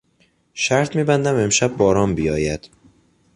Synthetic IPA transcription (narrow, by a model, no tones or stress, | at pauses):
ʃæɾt̪ʰmiːbænd̪æme̞mʃæbːɒːɾɒːmbijɒːjæd̪̥